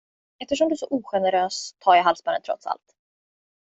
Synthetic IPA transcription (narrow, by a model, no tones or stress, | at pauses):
ɛft̪əʂ̬ɔmd̪ɵæsɔʔuːɧɛnɛɾøːst̪ʰːɑːɾjaɦalvsbaːɾə̰nt̪ɾɔ̰t̪sa̰lt̪